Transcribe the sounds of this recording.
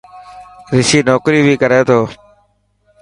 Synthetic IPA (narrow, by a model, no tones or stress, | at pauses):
ɾɪsiːnoːkɾiːbʱiːkəɾeːt̪ʰoː